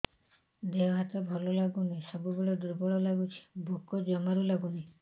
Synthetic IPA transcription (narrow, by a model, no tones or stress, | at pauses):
d̪eɔɦat̪ɔbʱɔlɔlaɡunasɔbubeɭɔd̪uɾbɔɭɔlaɡut͡ʃʰi̥bʱukɔd͡ʒɔmaɾulaɡuna